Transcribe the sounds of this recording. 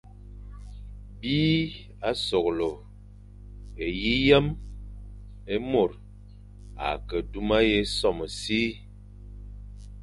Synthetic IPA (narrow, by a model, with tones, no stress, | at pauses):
biː˦ | a˦so˨klo˨ | e˨ji˦jɛ˦m | e˦mo˨ɾ | a̰˨kə˨du˦ma˦je˦sɔ˦˨mə˨si˦